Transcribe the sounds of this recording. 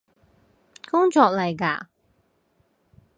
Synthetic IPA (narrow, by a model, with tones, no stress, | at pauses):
kʊ˥ŋt͡ʃɔː˧k̚lɐ˨jka̰ː˧˩